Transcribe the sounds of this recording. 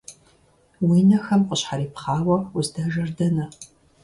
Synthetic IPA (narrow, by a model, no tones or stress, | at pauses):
wiːnɐxɐmqəɕħaɾiːpχɑːwɐʊzdɐʒɐrdɐnɐ